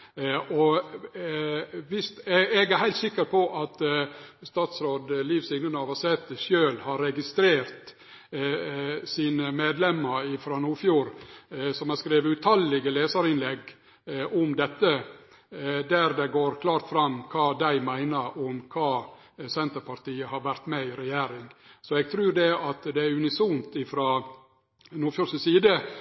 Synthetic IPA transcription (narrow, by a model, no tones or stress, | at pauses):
ʔɔ | ʋɪst̪ɛɡæɾhæɪlt̪sɪkːəɾpʰɔʔɑt̪st̪ɑːt̪sɾoːd̪liːʋsɪŋnənɑːʋɑsɛt̪ːəʃjøːlhɑɾɛɡɪst̪ɾeːɾt̪ | siːnəmeːd̪lɛmːəɾɪfɾɑːnuːfjuːɾsɔmɛskɾeːʋəʉt̪ʰɑlːɪɡəleːsəɾɪnlɛɡ | ɔmd̪ɛt̪ːə | d̪æɾd̪ɛɡoːɾkʰlɑːɾt̪fɾɑmkʰɑːd̪æɪmæɪnəɾɔmkʰɑː | sɛnt̪əɾpɑɾt̪iːəhɑɾʋæɾt̪mɛɪɾɛjeːɾɪŋɡsɔɛɡ̚t̪ʰɾʉːɾd̪ɛɑt̪d̪ɛæɾʉnɪsumt̪ɪfɾɑː | nuːfjuːɾsəsiːd̪ə